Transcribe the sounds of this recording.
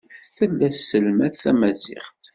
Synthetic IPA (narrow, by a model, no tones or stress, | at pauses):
θəlːæssːəlmæθæmæzɪ̰χt̪